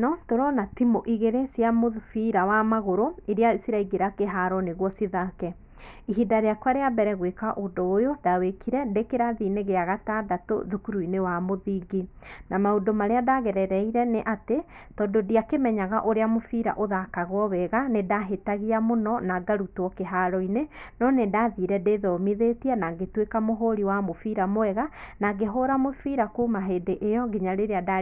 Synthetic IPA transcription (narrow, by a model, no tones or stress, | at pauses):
nɔtoɾɔnatimoʔiɣeɾesjamofiɾawamaɣoɾoiɾeaisiɾaiɡeɾakeɦaɾɔneɣwɔsiðakɛ | iɦidaɾeakwaɾeabɛɾɛɣwekaʔodoːjodawekʰiɾɛdekeɾaðineɣeaɣatadato̰ðukuɾuinewamoðiːɡi | namaodomaɾeadaɣɛɾɛɾɛiɾɛneʔate | tɔːdodiakemɛɲaɣaʔoɾeamofiɾa̰ʔoðakaɣwɔβɛɣanedaɦetaɣiamonɔnaɡaɾutɔkeɦaɾɔinenɔnedaðiɾɛdeðɔmiðetiɛnaɡetwekamoɦoɾiwamofiɾamoɛɣanaɡeɦoɾamofiɾakuːmaɦeːndeʔejɔɡeɲaɾeɾeada